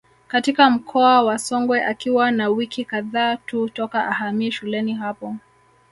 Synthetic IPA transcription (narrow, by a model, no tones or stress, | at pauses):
katikam̩kʰɔawasɔŋɡwɛʔakiwanawikikaðaːtutɔkaʔahamiɛʃulɛniɦapɔ